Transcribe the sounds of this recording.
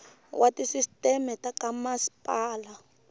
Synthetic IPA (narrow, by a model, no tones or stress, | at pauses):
wʔatʼisistʼɛmɛtʼakʼamasi̥pʼaːla